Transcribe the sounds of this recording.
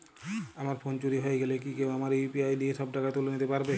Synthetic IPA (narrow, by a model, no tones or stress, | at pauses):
amaɾfont͡ɕuɾiɦoeɡelek̬ikewamaɾepiajɖieʃɔbɖakat̪olenit̪epaɾbe